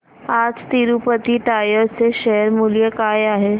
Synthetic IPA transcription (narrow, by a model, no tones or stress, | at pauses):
aːd͡zt̪iɾupət̪iʈaːjəɾseʃɛɦəɾmuljəkaːjaːɦe